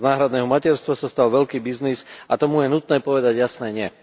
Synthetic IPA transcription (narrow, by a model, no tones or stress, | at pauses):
naːɦɾad̪nɛːɦɔmacɛɾst̪ʋasast̪alʋɛʎkiːbiznisat̪ɔmujɛnut̪nɛːpɔʋɛd̪aɟjasnɛːɲɪɛ